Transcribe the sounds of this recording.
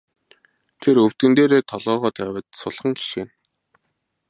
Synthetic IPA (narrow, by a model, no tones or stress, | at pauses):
t̪ʰeɾɵw̥t̪ɡɘ̆nt̪eːɾeːt̪ʰɔɮʁɔːʁɔːt̪ʰæwə̆t̪sʊɮχə̆ŋɡi̥ʃeːn